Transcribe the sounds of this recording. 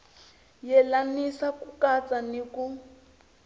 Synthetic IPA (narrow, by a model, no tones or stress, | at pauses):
jɛlanisakukat͡saniku